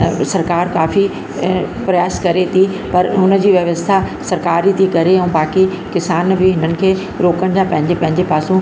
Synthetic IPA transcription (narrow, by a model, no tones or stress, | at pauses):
sɐɾkaːɾkaːfi | pɾɐjaːskɐɾet̪ʰi | pɐɾɦʊnə̆d͡ʑiːʋjɐʋəst̪ʰa | sɐɾkaːɾit̪ʰikɐɾeɛ̃ːbaːki | kɪsaːnbɪɦɪnənɪ̆kʰeː | ɾoːkəɽ̃d͡ʑaːpɐ̃ɦɪ̃ɲd͡ʑepɐ̃ɦɪ̃ɲd͡ʑepaːsũ